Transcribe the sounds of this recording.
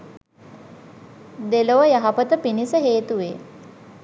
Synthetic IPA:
d̪eloʋəjaɦapət̪əpinisəɦeːt̪uʋeː

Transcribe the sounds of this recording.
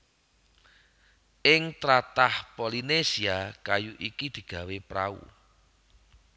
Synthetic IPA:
ʔɪŋt̪ɾat̪ahpolinesiakajuʔikid̪̥i̤ɡ̥ä̤wepɾa̰ṵ

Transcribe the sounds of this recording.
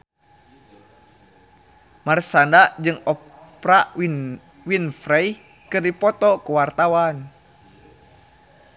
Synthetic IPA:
marsandaʔd͡ʒɨŋɔpɾa | winfɾɛj | kɨrdipɔt̪ɔkuwart̪awan

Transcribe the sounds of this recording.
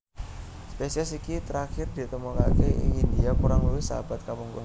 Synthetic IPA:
spesiɛsikit̪əɾakɪrdit̪əmokakeḭindiakuɾaŋluwɪhsaabat̪̚kapuŋkuŋ

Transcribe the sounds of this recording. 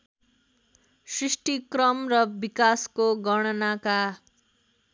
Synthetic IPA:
srisʈikrʌmrʌbikaskoɡʌɽ̃ʌnaka

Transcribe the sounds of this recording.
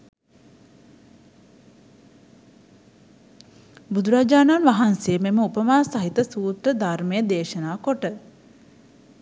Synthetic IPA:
bud̪uɾaːd͡ʒaːnaːnʋaɦansejəmeməupəmaːsaɦit̪əsuːt̪rəd̪ʱarmejəd̪eːʃənaːkoʈə

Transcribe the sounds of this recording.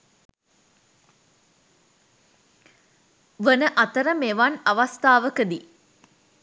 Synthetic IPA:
ʋənəʔat̪əɾəmeʋanaʋast̪aːʋəkəd̪i

